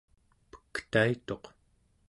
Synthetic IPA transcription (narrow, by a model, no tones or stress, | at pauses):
pə̥kt̪ait̪o̞q